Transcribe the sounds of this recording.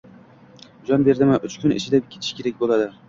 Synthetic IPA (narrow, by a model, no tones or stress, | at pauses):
d͡ʒɒnbe̞ɾd̪ɪmaʔʊt͡ʃkʲʰʊnɪ̰ʃʰɪd̪apkʲʰːet̪ʰɪ̥ʃkʲeɾak̚ʲbolˠad̪ɪ